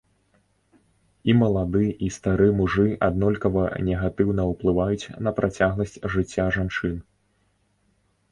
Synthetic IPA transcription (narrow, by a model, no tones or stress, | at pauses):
imɐlˠad̪ɨʔist̪aɾɨɛmuʐɨʔad̪nɔlʲkɐvɐnʲɛɣat̪ɨwnɐuplˠɨvajut͡sʲnɐpɾʔat͡sʲaɣlˠɐsʲt͡sʲʐɨt͡sʲːaʐant͡ʂɨn